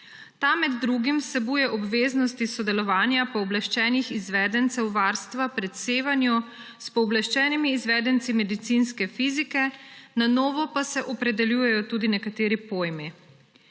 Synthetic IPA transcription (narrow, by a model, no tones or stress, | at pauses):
t̪amɛd̪ːɾuːɡimwsɛbuːjɛʔɔbʋeːznɔst̪isɔd̪ɛlɔʋaːnjapɔɔblaʃt͡ʃɛːnixizʋɛːd̪ɛnt̪sɛwʋaːɾst̪ʋapɾɛt̪seːʋanjɔ | spɔːblaʃt͡ʃɛːnimiːzʋɛːd̪ɛnt̪simɛd̪it̪sinskɛfizikɛnanɔːʋɔpasɛʔɔpɾɛd̪ɛljuːjɛjɔt̪uːd̪inɛkat̪eːɾipoːjmi